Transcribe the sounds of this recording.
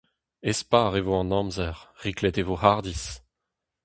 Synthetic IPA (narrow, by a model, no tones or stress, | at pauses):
espaːʁevoɑ̃nɑ̃mzɛʁʁiklɛt̪evohaʁd̪is